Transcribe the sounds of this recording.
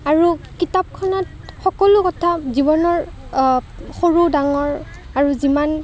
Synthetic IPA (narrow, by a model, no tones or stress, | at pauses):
aɹukitap̚kʰɔnɔt | xɔkɔlʊkɔtʰazibɔnɔɹ | xoɹudaŋɔɹ | aɹuziman